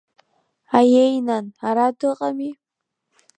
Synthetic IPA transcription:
ajejnanaɾadɨqʼami

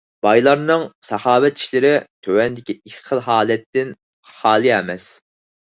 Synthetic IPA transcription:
b̥ɑjlˠɑɾnɨŋsɑhɑːwɛt̪ʰi̥ʃlɪɾɪt̪ʰøwɛnd̪ɪkʲiiqʰːəlˠɦɑːlɛt̪ːɪn | χɑːlˠɨɛmɛs

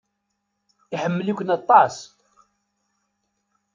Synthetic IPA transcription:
iħəmːəlikʷənɑt̪ˤːɑs

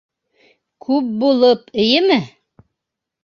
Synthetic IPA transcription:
kʰʉp̚bulˠɤpɘ̆jɘmɘ

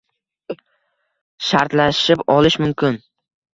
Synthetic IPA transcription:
ʃaɾt̪laʃɪpɒlɪʃmʊmkʲʰɪn

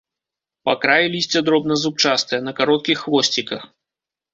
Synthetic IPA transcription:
pakɾajilʲisʲt͡sʲɛd̪ɾɔbnɐzup̚t͡ʂast̪ɨjɐnɐkaɾɔt̪̚kʲixːvɔsʲt͡sʲikɐx

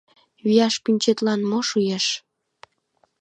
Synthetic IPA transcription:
βijɑʃpynʲt͡ɕet̪lɑnmoʃujeʃ

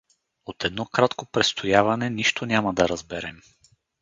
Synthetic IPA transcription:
ot̪ɛd̪nɔkɾat̪kopɾɛst̪ʰojavɐnɛniʃt̪onʲamɐd̪ɐɾɐzbɛɾɛm

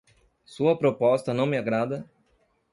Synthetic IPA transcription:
suɐpɾopɔst̪ɐnɐ̃w̃mɪaɡɾad̪ɐ

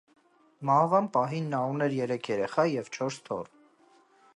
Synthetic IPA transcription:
mɑhvɑnpɑɦinːɑɾunɛɾjɛɾɛkʰjɛɾɛχɑjjɛvt͡ʃʰɔɾst̪ʰɔ̰r

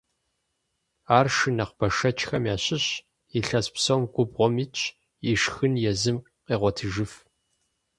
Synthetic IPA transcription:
aːrʂɨnɐqb̥ɐʂɐt͡ʃʰʼxɐmjaːɕɪɕ | iɬɐspsɐwmɡʷʼʊbʁʷɔmit͡ʃʼʰ | iʂxɨnjɛzɨm | qeːʁʷɔtʰɨʒɨf

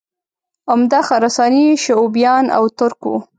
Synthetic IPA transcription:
amd̪ɑxaɾasɑniʃaubjɑna̰wt̪ʊɾkṵ

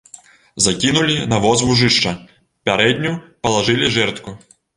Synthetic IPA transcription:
zakʲinulʲinɐʋɔzvuʐɨʂt͡ʂɐ | pʲaɾɛd̪ʲnʲupɐlˠaʐɨlʲiʐɛrt̪ku

